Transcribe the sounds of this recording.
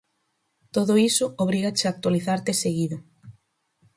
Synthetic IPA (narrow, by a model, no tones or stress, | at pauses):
t̪oðʊisʊoβ̞ɾiɣat͡ʃak̚t̪waliθaɾt̪eseɣiðʊ